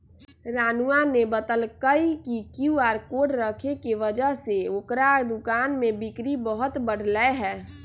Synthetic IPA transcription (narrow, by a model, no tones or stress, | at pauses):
ɾaːnanebət̪əlkəikikjuaːɾkoːɖɾəkʰekeʋəd͡ʒəɦseokɾad̪ʊkaːnmẽbɪkɾibəɦʊt̪bəɽ̤ləeɦɛː